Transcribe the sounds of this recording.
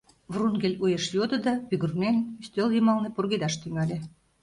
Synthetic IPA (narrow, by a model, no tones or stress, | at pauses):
vrunɡelʲujeʃjod̪ə̆d̪ɑβyɣurnenyst̪øljəmɑlnĕpurɣed̪ɑʃt̪yŋɑlʲe